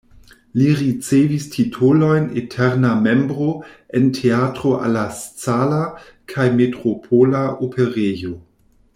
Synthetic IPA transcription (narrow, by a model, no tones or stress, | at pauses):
liɾit͡sevistʰitʰolo̞jnetʰeɾname̞mbɾo̞entʰeatɾoʔa̰lːast͡salakʰajmetɾopʰolaopʰeɾejo